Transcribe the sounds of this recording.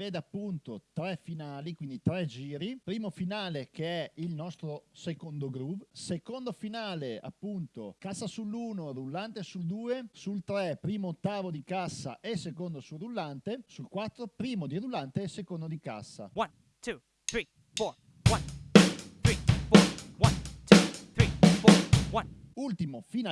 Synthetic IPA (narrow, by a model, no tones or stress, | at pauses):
veːd̪eapːunt̪ot̪ɾɛfinaːlikwind̪it̪ɾɛd͡ʒiːɾipɾiːmofinaːlekeɛilnɔst̪ɾosekond̪oɡɾuvsekond̪ofinaːlea̰pːunt̪okasːasulːuːnorulːant̪esuld̪uːesult̪ɾɛpɾiːmoːt̪ːaːvod̪ikasːa̰ʔesekond̪osurulːant̪esulkwat̪ːɾopɾiːmod̪irulːant̪eːsekond̪od̪ika̰sːa̰wan | tu | ɾi | fɔ | wanuɾifɔwant̪uθɾifɔwan | ult̪imofina